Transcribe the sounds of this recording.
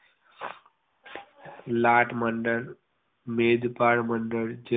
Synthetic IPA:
laːʈməɳɖəɾ | meːd̪paːɽməɳɖəɾd͡ʒe

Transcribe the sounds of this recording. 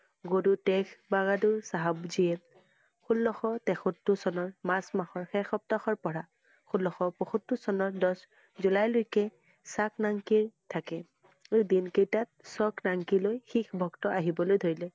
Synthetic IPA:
ɡodutɛkʰbaɡaduɹsaɦabziɛt | xulːɔxɔtɛxɔtːusɔnɔɹmasmaxɔɹxɛxɔp̚tɔxɔɹpɔɹa | xulːɔxɔpɔxutːusɔnɔɹdɔs | zulajlojkɛ | saknaŋkiɹtʰakɛ | edinkejtat̚sɔknaŋkilojxixbʱɔktɔʔaɦibɔlojdʱoɹilɛ

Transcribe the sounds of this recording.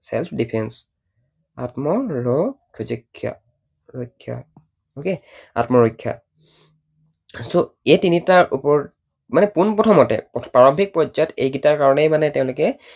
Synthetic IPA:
sɛ̰lpʰdipʰɛns | a̰tmɔɹɔkʰozɔkʰːja̰ | ɹojkʰːja̰ | oke | a̰tmɔɹɔjkʰːja̰ | so | ejtinitaɹʔupɔɹ | manɛpunpɹɔtʰɔmɔtɛ̰ppɹaɹɔmbʰʱik̚pɔzɔjɔtejɡitaɹkaɹɔnɛjmanɛtɛʊ̃lʊkɛ

